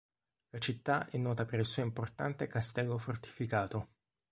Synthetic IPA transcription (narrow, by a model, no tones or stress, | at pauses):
lat͡ʃit̪ːaʔɛnːɔːt̪apeɾilsuːoimport̪ant̪ekast̪ɛlːofort̪i̥fikaːt̪o